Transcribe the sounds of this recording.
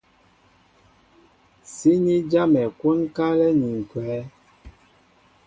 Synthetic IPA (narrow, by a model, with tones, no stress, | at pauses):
si˦ni˦d͡ʒa˦mɛ˨kwu˦nka˦lɛ˦ni˨ŋ˨kwɛː˨˦